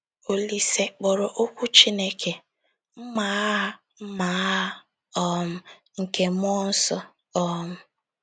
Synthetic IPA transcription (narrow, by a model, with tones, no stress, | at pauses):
o˦li˦se˦k͡pɔ˨ɾɔ˨ʔo˦kʷu˦t͡ʃi˦ne˦kʰe˨ | m̩˦ma˨˦ɦa˦ | m̩˦ma˨˦ɦa˦ | ɔ˦m̩˦ŋ̩˨ke˦m˦ɔ˦n̩˦sɔ˦ | ɔ˦m̩˨